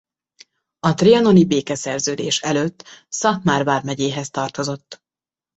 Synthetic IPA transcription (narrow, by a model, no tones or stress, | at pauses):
ɒt̪reɒno̞nibeːkɛsɛrzøːd̪ḛːʃɛløt̪ːsɒtmaːrvaːrmɛɟeːɦɛst̪ɒrt̪o̞zo̞t̪ː